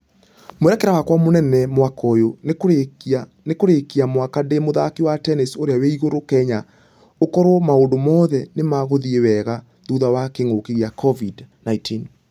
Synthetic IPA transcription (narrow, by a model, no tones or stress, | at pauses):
moɛɾɛkɛɾawakwamonɛnɛmwakɔjo | a | nekoɾekiamwakademoðakiwatɛnisoɾeaweiɣoɾokɛɲa | okɔɾwɔmaondomɔːðɛnemaɣoðiewɛɣa | ðuðawakeŋokeɣjakʰɔvidnaitin